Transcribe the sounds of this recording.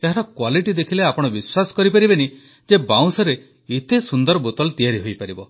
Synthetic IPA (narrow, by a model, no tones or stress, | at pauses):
eɦaɾɔkwaliʈid̪ekʰileapɔɽ̃ɔbiswasɔ̥kɔɾipaɾibeni | d͡ʒebaw̃sɔɾe | it̪esund̪ɔɾɔbot̪ɔlɔt̪ijaɾiɦojpaɾibɔ